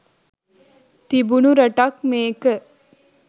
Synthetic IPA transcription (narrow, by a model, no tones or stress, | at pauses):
t̪ibunuɾɐʈɐkmeːkə